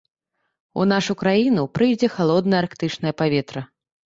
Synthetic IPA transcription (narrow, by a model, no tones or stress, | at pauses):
ṵn̪aʂukɾajinupɾɨjd͡zʲɛxalˠɔd̪nɐjɐarkt̪ɨt͡ʂnɐjɐpavʲɛt̪ɾɐ